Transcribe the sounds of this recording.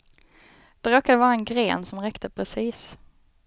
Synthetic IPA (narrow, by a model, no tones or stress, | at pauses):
d̪̥ɛɾoːkad̪əvɑːɾaɛnɡɾeːnsɔmɾɛkt̪ʰəpʰɾɛsiːs